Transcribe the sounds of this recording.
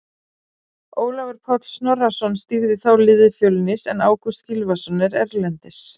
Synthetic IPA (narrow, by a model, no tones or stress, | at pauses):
oːwlavɛɾ̥pʰɔt̪snɔrːasɔnst̪iɾðɪθawlɪðɪfjowlɪnɪsɛnaːwkust̪cilvasɔnːɪɾɛɾlɛnt̪ɪs